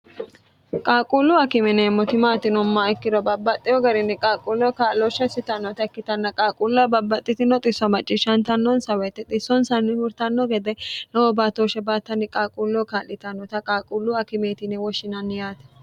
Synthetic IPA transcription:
kʼaːkʼulːʊɐkɪmɛnɛːmːɔt̪ɪmaːt̪ɪnʊmːaɛkːɪɾɔbɐbːɐt̪ʼːɪjɔɡɐɾɪnːɛkʼaːkʼulːɔkaːlːɔʃɐsɪt̪ɐnːɔt̪ɐɛkːɪt̪ɐnːɐkʼaːkʼulːɐbɐbːɐt̪ʼːɪt̪ɪnɔt̪ʼɪsːɐmɐt͡ʃʼːɪʃɐnt̪ɐnːɔnsɐwɛt̪ːɛt̪ʼɪsːɔnsɐnːɪmʊɾt̪ɐnːɔɡɛd̪ɛnɛwɔbaːt̪oːʃɛbaːt̪ːɐnːɪkʼaːkʼulːɔkaːlːɪt̪ɐnːɔt̪ɐkʼaːkʼulːʊɐkɪmeːt̪ɪnɛwɔʃɪnɐnːɪjaːt̪ɛ̥

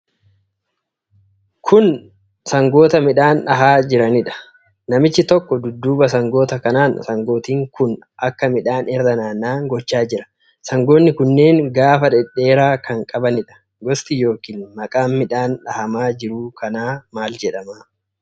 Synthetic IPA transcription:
kʰʊn | sɐŋɡo̞ːt̪ɐmɪᶑaːnᶑɐɦaːd͡ʒɪɾɐnɪᶑɐ̥ | nɐmɪt͡ʃːɪt̪ɔkːɔd̪ʊd̪ːuːbɐsɐŋɡo̞ːt̪ɐkɐnaːnsɐŋɡo̞ːt̪iːŋkʊn | ʔɐkːɐmɪᶑaːnʔɛɾd̪ɐnaːnːaːŋɡɔt͡ʃːaːd͡ʒɪɾɐ̥ | sɐŋɡo̞ːnːɪkʊnːe̞ːŋɡaːfɐᶑɛᶑːe̞ːɾaːkʰɐŋkʼɐbɐnɪᶑɐ̥ | ɡɔst̪ɪjo̞ːkiːnmɐkʼaːmmɪᶑaːnᶑɐhɐmaːd͡ʒɪɾuːkɐnaːmaːld͡ʒɛᶑɐmaː

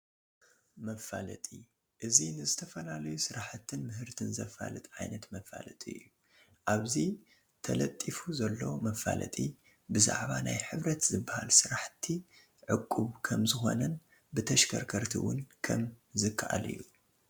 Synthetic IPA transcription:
mɐfalɐt̪ʼi | ʔɨzinɨzɨt̪ʰɐfɐlalɐjusɨɾaħt̪ʰːɨnmɨɦɨɾt̪ʰɨnzɐfa̰lɨt̪ʕajnɐt̪mɐfa̰lɐt̪ʼiɨ̰jːu | ʔaβzi | t̪ʰɐlɐt̪ʼːifuzɐlːo̞mɐfa̰lɐ̰t̪ʼi | bɨza̰ʕβanajħɨβɾɐt̪zɨbːaha̰lsɨɾaħt̪ʰːi | ʕɨkʼːuβkʰɐmzɨxo̞̰nɐn | bɨt̪ʰɐʃkʰɐɾkʰɐɾt̪ʰḭwʊnkʰɐ̰mzɨkʰːaʔalɨ̰jːu

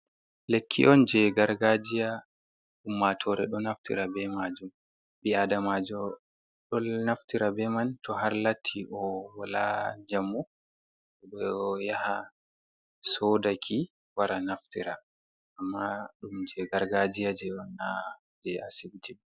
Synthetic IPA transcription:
lekʰːḭʔɔnd͡ʒɛɡaɾɡad͡ʒija | ɗumːatʰɔɾɛ̰ɗɔnaftḭɾabɛmad͡ʒum | ɓiadamad͡ʒɔ | ɗɔlnaftiɾabɛmantɔhaɾlatʰːiʔɔwala̰d͡ʒamːu | ɔɗɔjaha | sɔdakʰi | waɾanaftiɾa | ʔːmːaɗumd͡ʒɛɡaɾɡad͡ʒijad͡ʒɛɔna | d͡ʒɛa̰sibtiɗ

